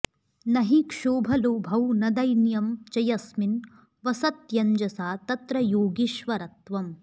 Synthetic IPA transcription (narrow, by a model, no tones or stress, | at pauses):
nɐɦikʂoːbʱɐlubʱɐwnɐd̪ɐjnjɐmt͡ʃɐjɐsmin | ʋɐsɐt̪jɐɲd͡ʒɐsaːt̪ɐt̪ɾɐjoːɡiʃʋɐɾɐt̪ʋɐm